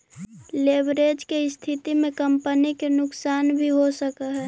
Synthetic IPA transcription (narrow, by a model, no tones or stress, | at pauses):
leːbɾeːd͡ʒkeɪst̪ʰɪt̪imẽkəmpənikenʊksaːnbʱiɦosəkaɦɛː